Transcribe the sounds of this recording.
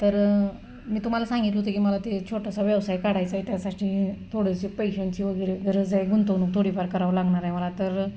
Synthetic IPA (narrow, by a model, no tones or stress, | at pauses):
t̪əɾ | miːt̪um̤alasãŋɡit̪ləɦut̪ekiːməlat̪et͡ɕʰoʈasaʋjɛʋsajkaɽajt͡sait̪jasaʈit̪ʰoɽesepəjɕəɳt͡ɕiʋəɡəjɾeɡʱəɾəd͡zajɡʱunt̪əʋnuk̚t̪ʰoɽipaɾkəɾaʋlaɡɳaɾjməlat̪əɾ